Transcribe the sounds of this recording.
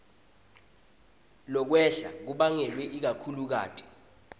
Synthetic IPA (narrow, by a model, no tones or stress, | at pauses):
lɔk̬wɛɬak̬uɓaŋɛlwɛʔik̬akʰuluk̬a̰ːtʰʼi̥